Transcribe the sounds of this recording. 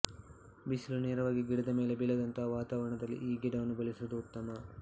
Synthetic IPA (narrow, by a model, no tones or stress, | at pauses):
bisluneːɾɐʋaːɡiɡiɽɐd̪ɐme̞ːlebilɐd̪ɐnt̪ɐɦɐʋaːt̪aːʋɐɾɐɳɐd̪ɐlːḭʔiːɡiɖɐʋɐnːubɐlisud̪uːt̪ːɐmɐ